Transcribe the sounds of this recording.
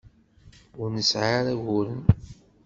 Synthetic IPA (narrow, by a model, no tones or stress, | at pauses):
ʊɾnəsʕaɾæʝʊɾən